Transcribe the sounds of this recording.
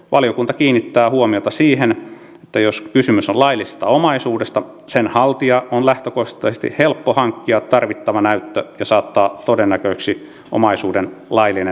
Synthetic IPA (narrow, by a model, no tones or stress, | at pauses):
ʋɑlijokunt̪ɑkiːnːit̪ːæːhuomiot̪ɑsiːhen | et̪ːæjoskysymysolɑilːˑisest̪ɑomɑisuːdest̪ɑ | senhɑlt̪iɑonlæht̪økost̪ːˑɑsest̪ḭhhelpːohɑŋkːiɑt̪t̪ɑrʋit̪ːɑʋɑnæyt̪ːøjɑsɑːt̪ːɑːt̪odenːækøiksi | ʔo̰mɑisuːdenlɑilːine